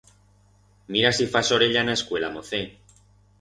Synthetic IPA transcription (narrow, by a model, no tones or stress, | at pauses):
miɾasifasoɾeʎanaeskwe̞lamoθe